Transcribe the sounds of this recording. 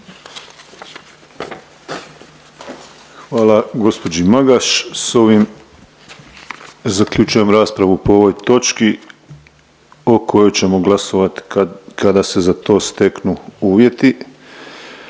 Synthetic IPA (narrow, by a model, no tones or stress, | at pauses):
xʋaːlˠaɡo̞spo̞d͡ʑimaɡaʃso̞ʋim | zakʎʲut͡ʃuje̞mɾaːspɾaʋupoo̞ʋo̞jt̪o̞t͡ʃki | o̞kʰo̞jo̞jt͡ɕe̞mo̞ɡlaso̞ʋat̪kad̪ase̞zat̪o̞ːst̪e̞knuuːʋje̞t̪i